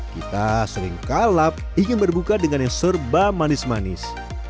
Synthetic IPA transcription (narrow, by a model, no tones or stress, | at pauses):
kit̪asəɾɪ̰ŋkalap̚iŋɪnbərbukadəŋanjaŋsərbamanɪsmanɪ̰s